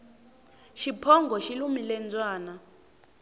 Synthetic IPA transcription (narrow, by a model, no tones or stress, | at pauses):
ʃipʰɔŋɡʱɔʃilumilɛnd͡zʼwaːna